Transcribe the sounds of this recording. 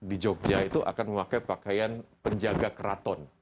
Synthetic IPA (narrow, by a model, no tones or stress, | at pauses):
did͡ʒɔk̚d͡ʒait̪uʔa̰kanməmakajpakajanpəɲd͡ʒaɡakəɾat̪ɔn